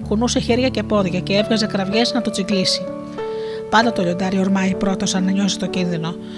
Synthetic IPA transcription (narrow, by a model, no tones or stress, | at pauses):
kunuse̞çeɾʝɐce̞po̞ðʝɐce̞e̞vɣɐze̞kɾɐvʝe̞znɐt̪o̞t͡siklisi | pɐnd̪ɐt̪oʎo̞nd̪ɐɾioɾmɐipɾo̞t̪o̞sɐnɐɲo̞sest̪o̞cinðino̞